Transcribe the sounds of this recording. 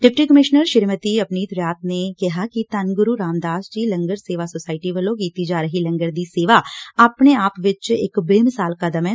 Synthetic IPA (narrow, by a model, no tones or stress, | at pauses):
ɖɪpʈiːkəmɪʃnəɾʃɪɾmət̪iːəpniːt̪ʊɾjaːt̪̚neːkɪɦaːkɪt̪ənɡʊɾuːɾaːmd̪aːsd͡ʒiːlə̃ŋɡəɾseːʋaːsoːsaːɪʈiːʋəlːõːkiːt̪iːd͡ʒaːɾəɦiːlə̃ŋɡəɾd̪iːseːʋaːaːpɳeːaːpʋɪt͡ʃɪkbeːmɪsaːlkəd̪əmɛː